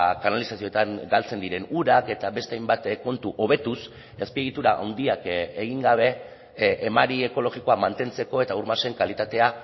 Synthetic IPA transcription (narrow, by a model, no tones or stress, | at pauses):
kanalisasio̞et̪aŋɡalt͡se̞nd̪iɾe̞nuɾake̞t̪aβe̞st̪e̞ajmbat̪ko̞nt̪uʔo̞βe̞t̪us | espie̞ɣ̞it̪uɾaʔa̰wnd̪iakeɣ̞iŋɡaβ̞e̞ | ʔːmaɾie̞ko̞lo̞ɣiko̞amant̪e̞nt͡se̞ko̞e̞t̪auɾmase̞ŋkalit̪at̪e̞a